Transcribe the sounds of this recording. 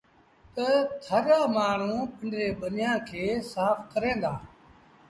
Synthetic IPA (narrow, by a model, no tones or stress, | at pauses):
t̪ət̪ʰəɾaːmaːɳ̤ũːpɪ̃ɳɖɾeːbənjãːkʰeːsaːfkəɾẽːnd̪aː